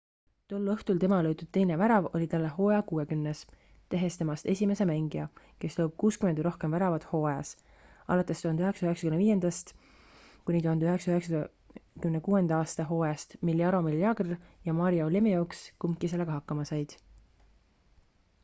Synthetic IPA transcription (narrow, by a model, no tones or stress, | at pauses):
t̪o̞lːɤht̪ult̪e̞mɑlɤjt̪ud̪̥t̪e̞jne̞væɾɑvolʲit̪ɑlːe̞ɦo̞ːjɑkuːe̞kymnes | t̪e̞ɦe̞st̪e̞mɑst̪e̞sʲime̞se̞mæŋɡiɑ | ke̞slowb̥̚kuːskymend̪ɾo̞hke̞mvæɾɑvɑd̪̥ho̞ːeɑs | ɑ̰lɑt̪ːˑe̞st̪uhɑnd̪yɦe̞ksɑyɦeksɑkymneviːje̞nd̪̥ɑst̪ | kunʲit̪uhɑnd̪yɦeksɑyɦeksɑ | kymnekuːe̞nd̪ɑɑːst̪ɑɦo̞ːjɑst̪miljɑɾo̞miljɑɡrjɑmɑɾioolemejoːkskumkːˑise̞lːeɡ̥ɑɦɑkːɑmɑsɑjd̪̥